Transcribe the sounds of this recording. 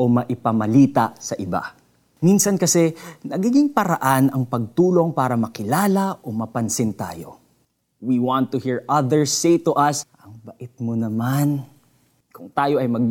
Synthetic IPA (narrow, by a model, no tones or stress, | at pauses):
ʔo̞mɐʔɪpɐmɐliːt̪ɐsɐʔɪba̰ | minsɐnkɐsɛnɐɡiːɡɪŋpɐɾɐʔanɐŋpɐɡ̚t̪uːlo̞ŋpaːɾɐmɐkɪlaːlɐʔo̞mɐpɐnsɪnt̪a̰ːjo̰ | wiwãnt̪ːʊhiɹʔɐðəɹsːejt̪ʊʔɐsʔɐŋbɐʔɪt̪̚monɐman | kʊŋt̪aːjo̞ʔɐjmɐɡ̚